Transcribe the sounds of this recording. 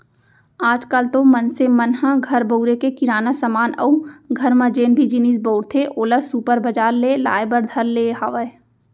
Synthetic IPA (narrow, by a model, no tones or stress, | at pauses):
aːd͡ʒkalt̪omɐnsemənhãɡʱɐɾbəʊɾekekɪɾaːnasəmaːnɐ̰uɡʱɐɾmãd͡ʒeːnbʱid͡ʒɪnisbəːɽt̪ʰeʔoːlasuːpəɾbəd͡ʒaːɾleːla̰ːjbəɾd̪ʱɐɾleːɦaʋə